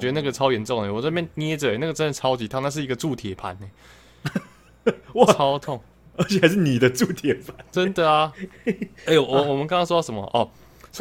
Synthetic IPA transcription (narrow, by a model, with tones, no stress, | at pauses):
t͡ɕɥɛ˧˥d̪ə˧na˥˩ɡə˨ʈ͡ʂʰɑ˥ʊjɛ˧˦nʈ͡ʂo˥˩ŋe˨˩wɔ˨˩˥mjnni˦ɛ˥ʈ͡ʂə˨˩e˨˦na˥˨ə˩ʈ͡ʂə˥˦nd̪ə˨t͡sʰɑ˥ʊt͡ɕi˨˥t̪ʰa˥˧˦na˥˩ʂ̬ɻ̩˥˩i˧ɡə˧ʈ͡ʂu˥˨t̪ʰjɛ˨˩pʰa̰˨˦ne˨˩ | wt͡sʰɑ˦˥ʊt̪ʰo˥˨ŋ | ə˧˥t͡ɕʰɛ˨˩xa˧ɪʂ̬ɻ̩˥˩ni˨˩d̪ə˦ʈ͡ʂu˥˩t̪ʰjɛ˨˩˦pʰa˨˦ʈ͡ʂə˦nd̪ə˨a˩ | e˥˩wwɔ˨mə˦nka˥ŋkʰɑ˥ŋʂ̬ɔ˥dɑ˥˨˩ʂə˧˦mɐ̰˧˨ʔɔ˥˨˩ | s